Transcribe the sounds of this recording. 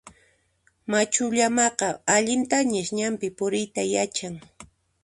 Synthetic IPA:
mat͡ʃʊʎamɑqɑaʎɪnt̪aɲɪʃɲampɪpʊɾɪjt̪ajat͡ʃaŋ

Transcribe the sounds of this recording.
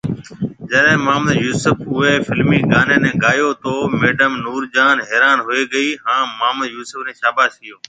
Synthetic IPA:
d͡ʒəɗẽːmaːməd̪juːsʊpʰʊeːfɪlmiːɡaːnẽːnẽːɡaːjoːt̪oːmeːɖəmnuːɾd͡ʒaːnɦeːɾaːnɦʊeːɡəiːɦãːmaːməd̪juːsəfnẽːʃaːbaːsɪjoː

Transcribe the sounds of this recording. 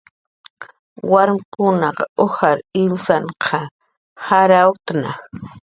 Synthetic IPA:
waɾmɪkʊnɑqohaɾɪmsaɴqʰɑ | haɾawt̪na

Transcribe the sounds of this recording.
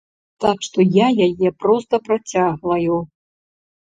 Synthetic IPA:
t̪akʂt̪ɔjajajɛpɾɔst̪ɐpɾat͡sʲaɣvɐju

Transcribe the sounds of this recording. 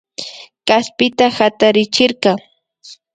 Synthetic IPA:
kaspɪt̪ahat̪aɾɪt͡ʃɪɾqɑ

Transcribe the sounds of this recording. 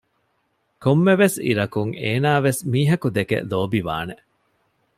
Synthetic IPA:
komːeʋesḭɾɐkuŋeːnaːʋesmiːɦɐkud̪ekḛloːbiʋa̰ːne

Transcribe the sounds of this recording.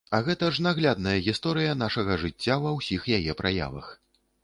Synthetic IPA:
ɐɣɛt̪ɐʐnaɣlʲad̪̚nɐjɐɣʲist̪ɔɾɨjɐn̪aʂɐɣɐʐɨt͡sʲːavɐwsʲixjajɛpɾaja̰vɐ̰x

